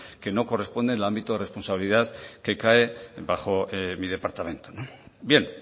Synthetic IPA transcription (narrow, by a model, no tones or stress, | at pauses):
ke̞no̞ko̞respo̞nd̪enlambit̪oðerespo̞nsaβiliðaðke̞kaebaxo̞mið̞e̞paɾt̪amẽ̞nt̪onobje̞n